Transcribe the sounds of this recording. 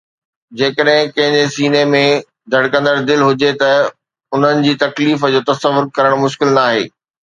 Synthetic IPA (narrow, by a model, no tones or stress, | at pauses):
d͡ʑeːkəɗɦɪ̃kɐ̃ɦɪ̃ɲd͡ʑesiːnemẽ | d̪ʱɐɽkɐ̃nd̪əɾd̪ɪlɦʊd͡ʑet̪ɐ | ʊn̤ənɪ̆d͡ʑiːt̪ɐkliːfəd͡ʑoːt̪ɐsəʋʊɾkɐɾəɽ̃mʊʃkɪlnaːɦḛː